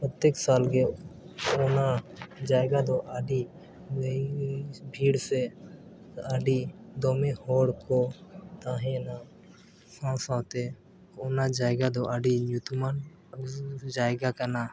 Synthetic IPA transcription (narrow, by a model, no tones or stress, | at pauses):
pət̪ːeːksaːlɡe | onad͡ʒaːɪɡad̪oːʔaːɖiː | bʱiːɽse | aːɖiːd̪oːmẽːhoːɽkot̪ãːɦẽna | sãːsãːt̪e | oːnad͡ʒaːɪɡad̪oʔaːɖiːnjʊt̪man | d͡ʒaːɪɡakənaː